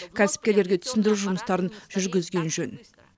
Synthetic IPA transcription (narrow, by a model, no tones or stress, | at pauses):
kʲʰæsɪ̥p̚kʲe̞ɾle̞ɾɡʲe̞t̪ʰʏ̥sɪnd̪ɪɾuʒʊməst̪ɑɾənʒ̥ʏɾɡʲɪzɡʲe̞nʒɵn